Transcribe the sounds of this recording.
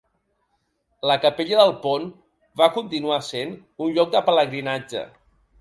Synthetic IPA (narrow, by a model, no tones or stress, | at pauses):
ləkəpeʎəðəlˠpon | bakunt̪inuasen | unʎɔk̚d̪əpələɣɾinad͡ʒə̰